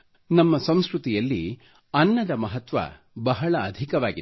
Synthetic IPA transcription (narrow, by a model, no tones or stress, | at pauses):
nɐmːɐsɐmskɾut̪ijɐlːḭ | ɐnːɐd̪ɐmɐɦɐt̪ʋɐ̰ | bɐɦɐɭɐːd̪ʱikɐʋaːɡi